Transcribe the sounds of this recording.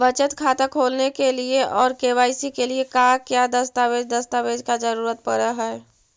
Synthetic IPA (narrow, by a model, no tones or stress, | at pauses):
ʋət͡ʃət̪kʰaːt̪akʰoːlnekelieʔɔːɾkeːʋaːɪsikeliekakjad̪ɐst̪aːʋeːd͡ʒd̪ɐst̪aʋeːd͡ʒkad͡ʒəɾuːɾət̪̚pəɾəɦɛɛ